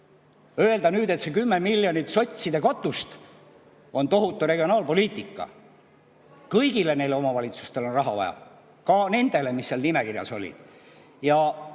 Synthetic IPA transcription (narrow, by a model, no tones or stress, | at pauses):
ø̞e̞ld̪̥ɑnyːd̪e̞t̪sekymːemiljonit̪so̞t̪ʲsid̪e̞kɑt̪ːˑust̪ | o̞nt̪o̞ɦut̪ːˑure̞ɡioɑːlpo̞lʲiːt̪ːˑikˑːɑ̰ | kɤjɡile̞ne̞jleo̞mɑvɑlʲit̪su̥st̪e̞lo̞nrɑɦɑvɑ̰jɑ̰ | kɑne̞nd̪̥e̞le̞misːeɑlnime̞kirjɑ̰so̞lʲḭd̪̥ | jɑ